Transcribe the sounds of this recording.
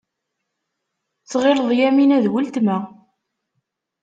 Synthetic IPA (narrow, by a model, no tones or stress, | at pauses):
t͡sːʁeləðˤjæminæðwəlt̪mæ